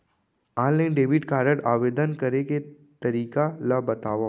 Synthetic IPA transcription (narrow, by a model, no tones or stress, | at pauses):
aːnlaɪnɖeːbɪʈkaːɾəʈaːʋeːd̪ənkɐɾeke | t̪ɐɾiːkalabɐt̪aːʋa